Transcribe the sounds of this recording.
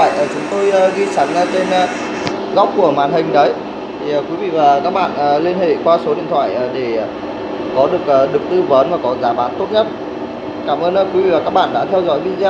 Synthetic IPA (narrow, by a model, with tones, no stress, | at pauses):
a̰ː˧˨jʔəː˨˩t͡ɕʊ˨˦ŋ͡mt̪o˧jə˧˩ɣi˧sa˨˦ŋə˧t͡ɕe˧nə˧ | ɣa˦˥wk͡p̚ku˧˩əma̰ː˨˩nhï˨˩ŋ̟ɗə˨˦j | t̪ʰi˨˩ə˨˩kwi˨˦vḭ˧˨vaː˨˩kaː˦˥k̚ɓa̰ː˧˨nʔəː˨˩li˧ənhḛ˧˨kwaː˧so˨˦ɗḭ˧˨ənt̪ʰwa̰ː˧˨jʔəː˨˩ɗe˧˩˨ | kɔ˨˦ɗɨ˨˩ək̚ʔəː˨˩ɗɨ˨˩ək̚t̪ɨ˧və˨˦nvaː˨˩kɔ˨˦zaː˨˦ɓaː˨˦nt̪o˦˥t̚ɲə˦˥t̚ | kaː˧˩mʔəː˧nə˧˩ki˨˦vḭ˧˨vaː˨˩kaː˦˥k̚ɓa̰ː˧˨ɗa̰ː˧˥t̪ʰɛ˧wzɔ̰˧˥jɓi˧ənzɛ˧